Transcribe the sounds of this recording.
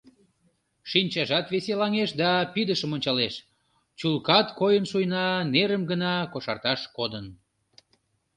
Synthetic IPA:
ʃinʲt͡ɕɑʒɑt̪βeselɑŋeʃd̪ɑpyd̪əʃəmonʲt͡ɕɑleʃ | t͡ɕulkɑt̪kojənʃujnɑneɾəmɡənɑkoʃɑ̰rt̪ɑʃkod̪ən

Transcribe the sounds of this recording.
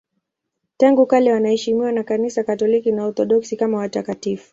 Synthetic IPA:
taŋɡukalɛwanahɛʃimiwanakanisakatɔlikinaɔθɔɗɔksikamawatakatifu̥

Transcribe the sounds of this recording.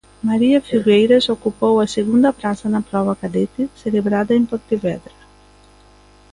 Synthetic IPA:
maɾiafiɡɛjɾesokːupowaseɡund̪apɾasanapɾɔvakad̪et̪iselebɾad̪aimpoɾt̪ivɛd̪ɾa

